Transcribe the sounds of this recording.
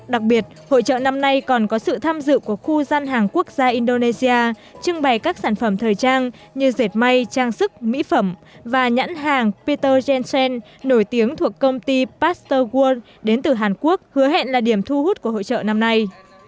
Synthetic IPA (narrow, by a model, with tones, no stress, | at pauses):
ɗa˨˩k̚ɓi˨˩ət̚ho̰˧˨jt͡ɕə̰ː˧˨na˧mna˧jkɔ˨˩nkɔ˨˦sɨ̰˧˨t̪ʰaː˧mzɨ̰˧˨ku˧˩əxu˧za˧nɦaː˨˩ŋku˦˥ək̚zaː˧ʔi˧nɗo˧ne˧zi˧aː˧ | t͡ɕɨ˧ŋɓa˨˩jkaː˦˥k̚saː˧˩nfə˧˩mt̪ʰəː˨˩jt͡ɕaː˧n | ɲɨ˧ze˨˩t̚ma˧jt͡ɕaː˧ŋsɨ˦˥k̚mḭ˧˥fə˧˩mvaː˨˩ɲa̰˧˥nɦaː˨˩ŋpe˧t̪əː˧zɛ˧nsɛ˧nː | o˧˩jt̪i˨˦əŋt̪ʰu˨˩əkːə˧wŋ͡mt̪i˧paː˦˥t̚st̪əː˧ɣu˧ | ɗe˨˦nt̪ɨ˨˩ɦaː˨˩nku˦˥ək̚hɨ˨˦əɦḛ˧˨nlaː˨˩ɗi˧˩əmt̪ʰu˧hu˦˥t̚ku˧˩əɦo̰˧˨t͡ɕə̰ː˧˨na˧mna˧j